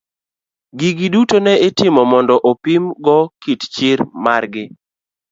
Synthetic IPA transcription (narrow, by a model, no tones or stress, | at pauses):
ɡiɡidutonɛɪtɪmɔmɔndɔʔopimɡɔkitt͡ʃɪɾmarɡɪ